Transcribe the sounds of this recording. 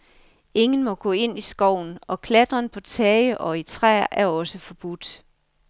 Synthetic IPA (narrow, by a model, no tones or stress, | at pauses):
e̝ŋn̩mɒ̽ɡ̥ɔ̰̽ːe̝n̰isɡ̥ɒʊ̰n̩ɒ̽kʰlæd̥ʁɐnpʰɒ̽t͡sʰɛɪəʔɒ̽it͡sʰʁɛ̰ːʔæɐɒ̽səfɒ̽b̥ud̥